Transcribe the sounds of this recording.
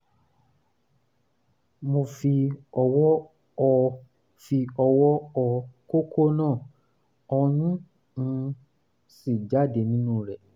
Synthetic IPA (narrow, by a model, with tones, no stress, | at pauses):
mo˧fi˧ɔ˧wɔ˦ | ɔ˧ | fi˧ɔ˧wɔ˦ɔ˧ko˦kʰo˦nãː˦˨ | ɔ˧nĩ˦ | ñ̩˧ | si˦˨d͡ʒa˦˨de˨nĩ˦nũ˦˨ɾɛ˦˨